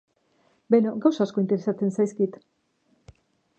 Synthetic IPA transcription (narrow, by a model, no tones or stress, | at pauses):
benoɡawsasko̞int̪e̞ɾesat͡se̞nsajskit̪